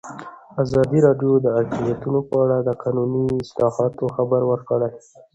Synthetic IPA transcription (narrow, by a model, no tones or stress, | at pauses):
azɑd̪iɾɑɖjod̪əat̪imjat̪unopəaɽad̪əqɑnuniɪslɑhɑt̪oxabaɾwəɾkəɽaj